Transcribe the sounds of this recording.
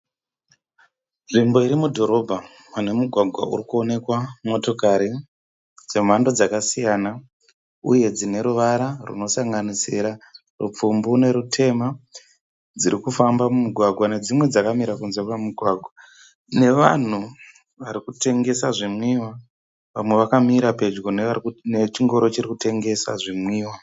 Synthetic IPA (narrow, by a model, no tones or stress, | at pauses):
nʐimbo̞iɾimudʱo̞ɾo̞bʱa | munemuɡʱwaɡʱwa̰ʔṵrikuo̞ne̞kwamo̞to̞kaɾi | d͡ze̞m̤ando̞d͡zakasijana | uje̞d͡zine̞ɾuʋaɾarṵno̞saŋɡanisiɾa | rṵp͡fumbune̞ɾutʰe̞ma | d͡ziɾikufambamumuɡʱwaɡʱwane̞d͡zimwe̞d͡zakamiɾakunzekwamuɡʱwaːɡʱwa | ne̞ʋa̰n̤u | ʋaɾikute̞ŋɡe̞saʐimwiwa | ʋamwe̞ʋakamiɾape̞d͡ʒɡonenet͡ʃiŋɡo̞ɾo̞t͡ʃirikute̞ŋɡe̞sa̰ʐimwiːwa